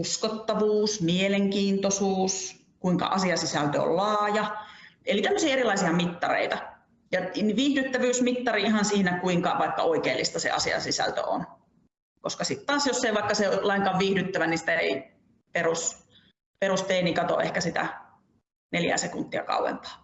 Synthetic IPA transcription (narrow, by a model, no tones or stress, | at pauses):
uskot̪ːɑʋuːsmieleŋkiːnt̪osuːs | kuiŋkɑ̰ʔɑsiɑsisælt̪øo̰llɑːjɑelit̪æmːøsiɑerilɑisiɑmit̪ːɑrḛit̪ɑ | jɑnʋiːhdyt̪ːæʋyːsmit̪ːɑriihɑnsiːnækuiŋkɑʋɑikːɑ̰oikeːlːist̪ɑsḛɑ̰siɑ̰sisæ̰lt̪ø̰o̰n | koskɑsit̪t̪ɑːsjosːeiʋɑikːɑselɑiŋkɑʋʋiːhdyt̪ːæʋænisi̥t̪æḛi | perus | peɾust̪eːnikɑt̪o̰ʔḛhkæsit̪æ̰ | neljæ̰sekunt̪ːiɑ̰kɑ̰uwḛmpɑ̥ː